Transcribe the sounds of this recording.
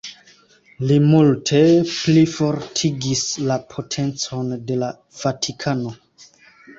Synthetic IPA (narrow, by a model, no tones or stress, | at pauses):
limultʰe̞plifo̞ɾtʰiɡislapʰo̞tʰe̞nt͡so̞nde̞la | v̥atʰikʰano̞